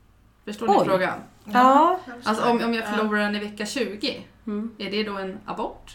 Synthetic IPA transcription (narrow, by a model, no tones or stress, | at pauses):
fœʂʈoːd̪fɾoːɡa̰ | alsɔɔmɔmjɑːɡfœɭuːɾadɛnɪvɛkːaɕʉ̟ːɡɪ | æɖɛd̪ɔɛna̰bɔʈː